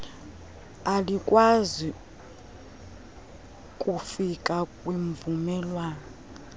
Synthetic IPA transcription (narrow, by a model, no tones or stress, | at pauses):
alikʼwazi | kʼufikʼakʼwiɱvumɛlwaːnɔ